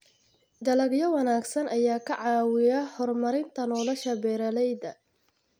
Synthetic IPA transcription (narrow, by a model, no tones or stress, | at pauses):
d̪ɐlɐɡjɐwɑnaːɡsɐnʔɐjaːkʰɐʕɑːwɪjɐhɔrmɐɾɪnt̪ʰɐnɔːlɐʃɐbɛːɾɐlɛjd̪ɐ